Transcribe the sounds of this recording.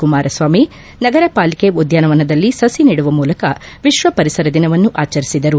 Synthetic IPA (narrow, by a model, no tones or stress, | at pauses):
kumaːɾʔɐsʋaːmi | nɐɡɐɾɐpaːlikeud̪jaːnɐʋɐnɐd̪ɐlːisɐsiniːɽuʋɐmuːlɐkɐʋiʃʋɐpɐɾisɐɾɐd̪inɐʋɐnːuʔaːt͡ʃɐɾisid̪ɐɾu